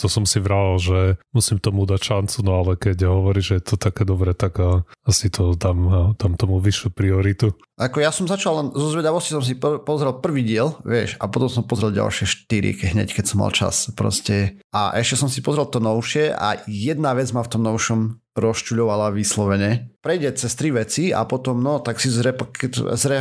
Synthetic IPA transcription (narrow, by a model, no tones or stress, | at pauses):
t̪ɔsɔmsiʋɾaalʒɛmusiːmt̪ɔmud̪acʃant͡sunɔalɛkɛɟɦɔʋɔɾiːʒɛjɛt̪ʰɔt̪akɛːd̪ɔbɾɛt̪aɡəasit̪ʰɔd̪amd̪̥amt̪ɔmuʋiʃupɾiɔɾit̪u | ʔakɔjasɔmzat͡ʃalɛnzɔzʋɛd̪aʋɔscisɔms̬ippɔzɾɛlpr̩ʋiːɟɪɛlʋɪɛʃa̰pɔt̪ɔmsɔmpɔzɾɛlɟa̰lˠʃɪɛʃt̪iɾḭkɛɦɲɛ̰ckɛcsɔmːa̰lˠt͡ʃa̰spɾɔ̰scɛ | a̰ʔɛʃcɛsɔmsipɔzɾɛlt̪ɔnɔʊʃɪɛʔa̰jɛd̪naʋɛd͡zmaft̪ɔmnɔʊʃɔm | ɾɔst͡ʃuʎɔʋalaʋislɔʋɛɲɛpɾɛjɟɛt͡sɛst̪ɾiʋɛt͡sia̰pɔt̪ɔmnɔt̪aksizɾɛpkɛzɾɛ